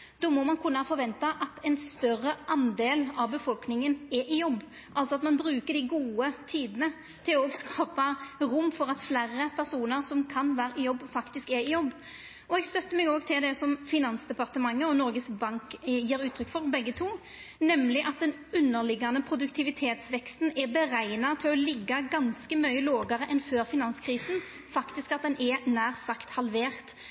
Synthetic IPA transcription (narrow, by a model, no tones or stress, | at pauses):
d̪̥ɔːmɔmɑnkʰʉnːəhfɔɾʋɛnt̪ɑʔɑt̪ɛnst̪œɾəʔɑnd̪eːlɑʋbəfɔlknɪŋənɛʔɪjɔbː | ʔɑlt̪sɔɑt̪mɑnbɾʉːkəɖ̪ɪɡuːət̪ʰiːd̪ənə | t̪ʰɪloːɡskɑːpɑɾʊmːfɔɾɑt̪flæːɾəpʰæɾsuːnəɾsɔmkʰɑnʋæːɾəɪjɔbːfɑkt̪ɪskɛɾɪjɔbː | ɔɛɡst̪œt̪ːəmɛɡoːɡt̪ʰɪld̪ɛsɔmfɪnɑnsd̪ɛpɑʁt̪əmɑŋːəɔnɔɾɡəsbɑŋkjiːɾʉːt̪ʰɾʏkːfɔɾbɛɡːət̪ʰuː | nɛmlɪʔɑt̪̚d̪ɛn | ʉnːəʁlɪɡɑnəpʰɾʊd̪ʉkt̪ʰɪʋɪt̪ʰeːt̪sʋɛkst̪n̩ɛbəɾæɪnɑt̪ʰɪlɔlɪɡːɑɡɑnskəmœʏəloːɡɑɾəʔɛnføːɾfɪnɑnskʰɾiːsn̩ | fɑkt̪ɪskɑt̪̚d̪ɛnʔɛnæːʁsɑkt̪hɑlʋeːʁt̪